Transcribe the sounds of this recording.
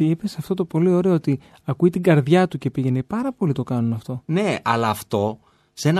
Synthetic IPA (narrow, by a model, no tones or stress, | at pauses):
ipesɐft̪o̞t̪o̞po̞lio̞ɾe̞oot̪i | ɐkuit̪iɡɐɾðʝɐt̪uce̞piʝe̞nepɐɾɐpo̞lit̪o̞kɐnunɐft̪o̞ne̞ɐ̰lɐːft̪o̞ | se̞nɐ